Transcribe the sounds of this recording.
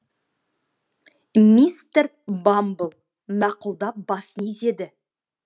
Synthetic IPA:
mist̪eɾ | bambəlˠ | mɑqʊlˠd̪ɑp̚bɑsənize̞d̪ɪ

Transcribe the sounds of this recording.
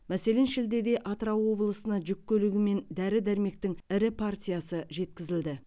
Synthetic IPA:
mæse̞le̞nʃɪld̪e̞d̪e̞ʔɑt̪ɾɑwwo̞blˠəsənɑʒʏkʲːɵlɪɡʲɪme̞nd̪æɾɪd̪æɾme̞k̚t̪ɪŋɪɾɪpʰart̪ʲijɑsəʒe̞t̪kʲɪzɪld̪ɪ

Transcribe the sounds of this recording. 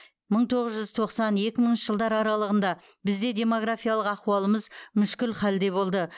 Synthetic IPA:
məɴt̪ʰo̞ʁəzʒʏzt̪ʰo̞qsɑnje̞kʲɪməɴnʃə̥ʒəlˠd̪ɑɾɑɾɑlˠəʁənd̪ɑ | bɪzd̪e̞d̪ʲe̞mo̞ɡɾafijalˠəqɑquɑlˠəməzmʏʃkʲɪlχɑld̪e̞bo̞lˠd̪ə

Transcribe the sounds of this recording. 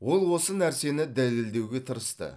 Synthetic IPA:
wo̞lˠwo̞sənæɾse̞nɪd̪æle̞ld̪e̞wɡʲe̞t̪ʰəɾəst̪ə̰

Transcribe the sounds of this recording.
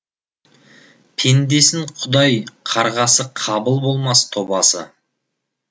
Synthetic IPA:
pʰe̞nd̪e̞sɪŋqʰʊd̪ɑjqʰɑɾʁɑsəqʰɑbəlˠbo̞lˠmɑst̪ʰo̞bɑsə̰

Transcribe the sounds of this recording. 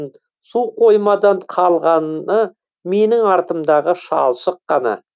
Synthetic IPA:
n | suqʰo̞jmɑd̪ɑɴqʰɑlˠʁɑnnə | me̞nɪŋɑɾt̪əmd̪ɑʁəʃɑ̰lˠʃəqːɑnɑ̰

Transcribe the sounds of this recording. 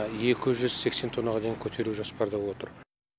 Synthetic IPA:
je̞kʲɪʒʏzse̞kse̞nt̪ʰo̞nɑʁɑd̪e̞jiŋkʲʰɵt̪ʰe̞ɾuʒospɑɾd̪ɑwo̞t̪əɾ

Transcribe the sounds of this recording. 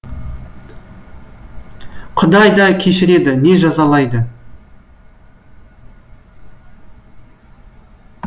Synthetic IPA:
qʰʊd̪ɑjd̪ɑkʲʰe̞ʃɪɾe̞d̪ɪne̞ʒɑzɑlˠɑjd̪ə

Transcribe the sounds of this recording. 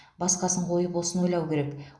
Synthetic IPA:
bɑsqɑsəɴqʰo̞jəpwosənwo̞jlˠɑwkʲʰe̞ɾek

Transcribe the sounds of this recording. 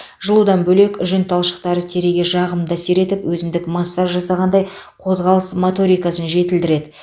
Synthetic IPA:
ʒ̥əlˠud̪ɑnbɵle̞kʒʏnt̪ʰɑlˠʃə̥q̚t̪ɑɾət̪ʰe̞ɾeɡʲe̞ʒɑʁəmd̪ɑse̞ɾe̞t̪ɪpwɵzɪmd̪ɪkmɑsːɑɾʒɑsɑʁɑnd̪ɑj | qʰo̞zʁɑlˠəsmot̪o̞ɾijkɑsənʒe̞t̪ɪld̪ɪɾe̞d̪ɪ

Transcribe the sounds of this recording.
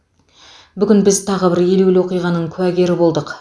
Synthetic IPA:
bʏɡʲɪnbɪzt̪ʰɑʁəbɪɾje̞lelwo̞qijʁɑnəɴkʲʰʉæɡʲe̞ɾɪbo̞lˠd̪əq

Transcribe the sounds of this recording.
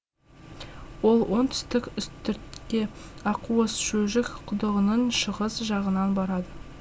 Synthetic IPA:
wo̞lˠwo̞nt̪ʰʏ̥st̪ɪkʲʏst̪ʏɾt̪kʲe̞ɑquəsʃɵʒɪkqʰʊd̪əʁənənʃəʁəzʒɑʁənɑnbɑɾɑd̪ə

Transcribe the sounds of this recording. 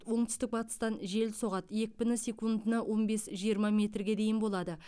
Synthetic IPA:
wo̞ɴt̪ʏst̪ɪk̚bɑt̪ə̥st̪ɑnʒe̞lso̞ʁɑt̪je̞kʲbʲɪnɪsʲe̞kund̪ənɑwʔo̞nbe̞sʒijəɾmɑmʲe̞t̪rɡʲe̞d̪e̞jɪnbo̞lˠɑd̪ə

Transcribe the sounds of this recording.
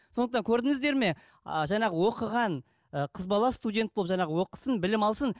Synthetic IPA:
so̞nəqt̪ɑŋkʲʰɵɾd̪ɪŋɪzd̪e̞ɾme̞ | əʒɑɴɑʁəwo̞qəʁɑn | əqʰəzbɑlˠɑst̪udʲe̞nt̪̚bolˠəpʒɑɴɑʁəwo̞qə̥sənbɪlɪmɑlˠsən

